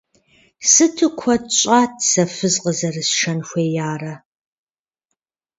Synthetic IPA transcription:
sɨtʰɨkʷʰɔɕʼaːtʰsɐfɨzqəzɐrɨsʃɐnxʷeːjaːrɐ

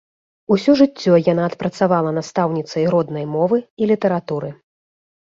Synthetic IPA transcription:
usʲɔʐɨt͡sʲːɔjanaːt̪pɾɐt̪savalˠɐnast̪awnʲit̪sɐjɾɔd̪nɐjmɔvɨilʲit̪ɐɾat̪uɾɨ

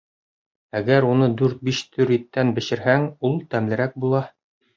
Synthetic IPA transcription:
æɡæɾunɤd̪ʉɾt̪̚biʃt̪ʰɵɾit̪ːænbɘ̆ɕɘ̆ɾɦæŋulˠt̪æmlɘ̆ɾæk̚bulˠɑ

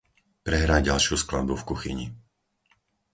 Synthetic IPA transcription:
pɾɛɦɾaːɟalʃɪuskla̰d̪̚bufkuxḭɲḭ

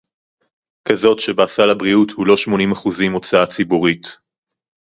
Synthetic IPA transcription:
kazo̞tʃe̞baasalabʁiuthulo̞ʃmo̞nimaχuzimo̞t͡saat͡sibuʁit

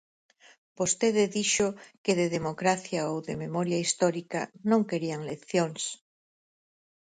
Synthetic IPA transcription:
b̥ost̪eðeðiʃokeðeðemokɾaθjaowðememoɾjaist̪ɔɾika̰nõŋkeɾiaŋlekθjoŋs

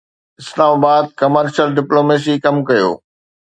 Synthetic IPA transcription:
ɪslaːmaːbaːd̪̚kɐməɾʃəlɖɪploːmeːs̬ikɐmkɐjo̰ː

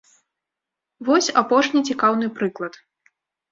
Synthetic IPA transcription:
vɔsʲapɔʂnʲit͡sʲikawnɨpɾɨklˠɐt̪

